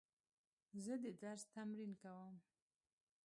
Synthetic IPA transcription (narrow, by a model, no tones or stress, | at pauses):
zəd̪əd̪aɾst̪amɾinkawəm